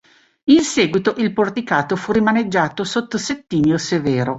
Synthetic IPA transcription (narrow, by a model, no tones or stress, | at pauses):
insɛːɡwit̪oʔilport̪ikaːt̪ofurimaned͡ʒːaːt̪osot̪ːoset̪ːiːniosevɛːɾo